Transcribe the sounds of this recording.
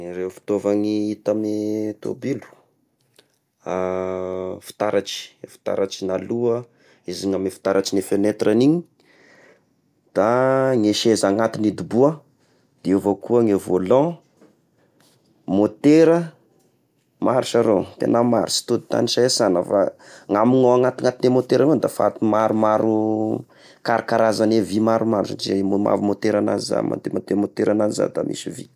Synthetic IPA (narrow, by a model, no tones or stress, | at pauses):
rewfi̥t̪ovaŋiit̪amet̪o̰bilu̥ | a | fi̥t̪aɾaʈ͡ʂi̥fi̥t̪a̰ɾʔaʈ͡ʂinaluə | iziŋamefi̥t̪aɾaʈ͡ʂinefenet̪ɾʔaniɲi | d̪̥aŋeʃezaŋat̪inid̪ubuə | d̪̥eovakuəŋevolɔ̃ | mot̪eɾə | maɾiʃaɾot̪ḛnama̰ɾi̥si̥t̪ud̪it̪a̰niʃaesanəfa̰ŋamiŋoaŋat̪iŋat̪inemot̪eɾaŋond̪afa̰t̪umaɾumaɾu | kaɾikaɾazanevimaɾumaɾusa̰izemoma̰vimot̪eɾana̰ziza̰mã̰nt̪emat̪emot̪eɾananiza̰d̪a̰mʔḭsivḭ